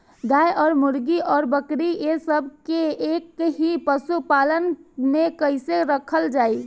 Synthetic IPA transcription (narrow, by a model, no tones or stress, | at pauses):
d̪ajʔɔːɾmuɾɡiʔɔːɾbəkɾiesəbʱkeekɦipəsupalənmekəɪseɾəkʰəld͡ʒaːi